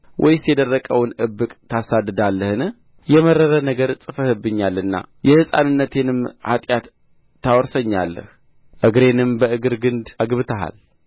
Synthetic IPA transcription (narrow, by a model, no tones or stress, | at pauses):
wʔɔjsijɛd̪ərːəkʼəwnʔɨbːɨkʼt̪ʰasad̪ːɨd̪alːəhɨnɨh | jɛməɾːəɾənəɡəɾsʼɨfəhɨbɨɲːalːɨnːa̰jɛhɨsʼa̰nɨnːət̪ʰe̞nɨmha̰t̪ʼjat̪ː | awɔɾsəɲːa̰lːə̰h | ʔɨɡɾe̞nɨmbəɨɡɨɾɡɨnd̪aɡɨβɨt̪ʰəɦa̰l